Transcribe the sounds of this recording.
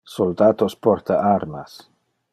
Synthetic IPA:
sold̪at̪ospɔɾt̪aʔaɾmas

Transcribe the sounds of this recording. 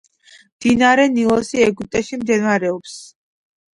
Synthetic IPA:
md̪̥inaɾɛnilˠɔsiɛɡyp̚t̪ʼɛʃimd̪ɛnvaɾɛɔps

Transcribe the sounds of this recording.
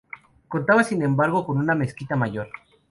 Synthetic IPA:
ko̞nt̪aβasine̞mbaɾɣo̞ko̞nuname̞skit̪amaʝo̞ɾ

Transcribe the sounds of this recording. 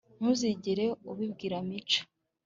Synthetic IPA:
n̥uziɟiɾe̞uβibɡiːɾamit͡ʃḁ

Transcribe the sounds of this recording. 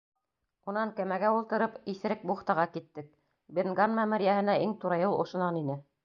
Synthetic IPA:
unɑŋkæmæɡæulˠt̪ɤ̆ɾɤpiθɘ̆ɾɘk̚buχt̪ɑʁɑkit̪ːɘk̚ | benɡɑnmæmɘ̆ɾjæhɘ̆næʔiŋt̪uɾɑjɤlˠʔŏʃŏnɑninɘ

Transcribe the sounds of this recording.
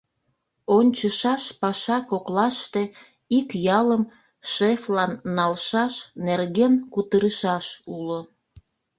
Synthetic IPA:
onʲt͡ɕəʃɑʃpɑʃɑkoklɑʃt̪e | ikjɑləm | ʃeflɑnːɑlʃɑʃnerɣenkut̪əɾəʃɑʃulo

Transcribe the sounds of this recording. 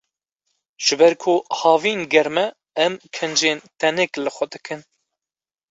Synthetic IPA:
ʒ̥ɨbɛɾkʰʊhɑːviːnɡɛɾmɛː | mkʰɨnd͡ʒeːnt̪ʰɛnɛklɨxʷɛd̪ɨkɨn

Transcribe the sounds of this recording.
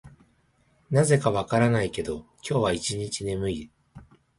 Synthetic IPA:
naze̞kaβakaɾanaike̞d̪o̞kʲo̞ːβait͡ɕiɲit͡ɕine̞mɯ̟i

